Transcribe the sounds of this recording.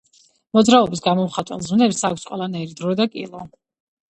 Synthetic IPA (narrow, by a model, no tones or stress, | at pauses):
mɔd̪zɾaɔbisɡamɔmχat̪ʼwɛ̰lˠzunɛpsakʷʰsqʼwɛlˠanaiɾid̪ɾɔd̪akʼḭlˠɔ